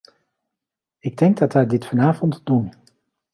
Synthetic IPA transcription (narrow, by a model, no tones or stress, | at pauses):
ɪɡ̚dɛŋɡ̚dɑtʋɛjdɪtfɑnaːvɔntd̥un